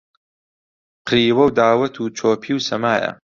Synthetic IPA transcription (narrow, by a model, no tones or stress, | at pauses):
qʰɾiːwɐwd̪aːwɐt̪ʰuːt͡ʃʰoːpʰiːwsɐmaːjɐ̰